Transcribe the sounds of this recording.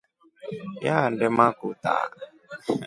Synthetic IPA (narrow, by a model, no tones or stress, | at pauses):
jaːndɛmakʊt̪a̰ː